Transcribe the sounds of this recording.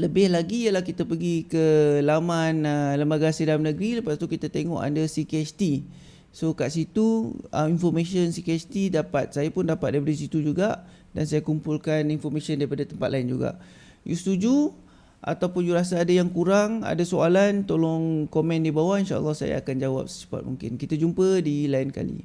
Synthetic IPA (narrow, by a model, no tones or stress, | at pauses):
ləbɪhlaɡijəlahkit̪apəɡikəlamãnələmbaɡasidalamnəɡɾiləpast̪ukit̪at̪eŋɔ̰̃ʔa̰ndəsikeɛst̪i | sokaʔsit̪uə̰minfɔrmẽʃənsikeɛst̪idapat̪̚sajapʊndapat̪̚daipadas̬it̪ud͡ʒuɡaʔ | dansajakumpulkaninfɔrmẽʃəndaɾipadat̪əmpa̰t̪̚laɪnd͡ʒuɡa̰ʔ | just̪ud͡ʒu | ʔa̰t̪awpʊnjuɾas̬aːdajaŋkuɾaŋa̰dasoalant̪olɔŋkomɛ̃ndibawainʃa̰ə̰lːɔhsa̰ja̰ːkand͡ʒawa̰p̚sə̥t͡ʃə̥pa̰t̪̚mṵŋkɪ̰nkit̪ad͡ʒumpədilaɪnka̰lḭ